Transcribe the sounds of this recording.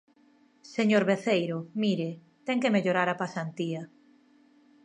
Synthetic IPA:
seɲoɾβeθejɾʊmiɾɪ | t̪ɛŋkemeʎoɾaɾɐpasant̪iɐ

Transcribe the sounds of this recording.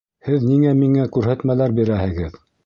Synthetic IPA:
hɘðniŋæmiŋækʉɾɦæt̪mælæɾbiɾæhɘ̆ɡɘð

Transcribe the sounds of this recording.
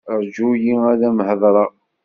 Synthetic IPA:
ɾd͡ʒujiælæmhəðˤɾˤɑ

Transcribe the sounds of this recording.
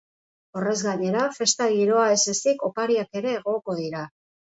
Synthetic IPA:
o̞re̞zɣaɲe̞ɾafe̞st̪aɣiɾo̞ae̞sesiko̞paɾiake̞ɾe̞ːɣ̞o̞ko̞ðiɾa

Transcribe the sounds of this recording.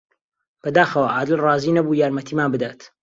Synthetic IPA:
b̥ɐd̪aːxɐwaʔaːd̪ɪlrˤɑːziːnɐbuːjaːɾmɐt̪ʰiːmaːnbɨd̪aːt̪

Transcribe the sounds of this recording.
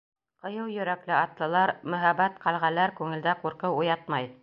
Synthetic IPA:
qɤ̆jɤwjɵ̆ɾæklɘɑt̪lˠɤ̆lˠɑɾmɵ̆ɦæbæt̪qɑlˠʁælæɾkʉŋɘ̆ld̪æquɾqɤwujɑt̪mɑj

